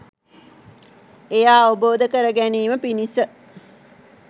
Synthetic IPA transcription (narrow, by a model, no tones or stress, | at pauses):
ejaːʋəboːd̪əkəɾəɡæniːməpinisə